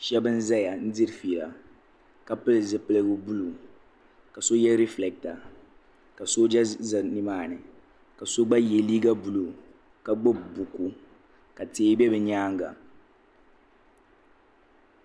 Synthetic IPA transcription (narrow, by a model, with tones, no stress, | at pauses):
ʃɛ˦bɨ˦n̩˦za˦ja˨n̩˦dɨ˦ɾfiː˨la̰˨ | ka˨pɨ˦lɨ˨zɨ˨pɨ˦lɨ˦ɡʊ˦bu˦lu˨ | ka˨so˦jɛ˦ɾɛ˦flɛ˨k̚ta˨ | ka˨so˦d͡ʒa˦za˨nɨ˦maː˦˨nɨ˨ | ka˨so˦ɡ͡ba˦je˨liː˦ɡa˦bu˨lu˨ | ka˦ɡ͡bo˦bbu˨ku˨ | ka˨teː˨˦bɛ˦bɛ˨ɲaː˦ŋ˦ɡa̰˨